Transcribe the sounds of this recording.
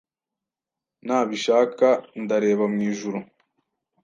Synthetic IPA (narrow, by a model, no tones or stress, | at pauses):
naːβiʃaːkandaɾe̞ːβamŋiːʒuɾu